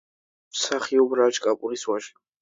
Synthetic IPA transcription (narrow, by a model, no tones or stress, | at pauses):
msaχiɔbɾat͡ʃʼkʼapʼuɾiswaʃ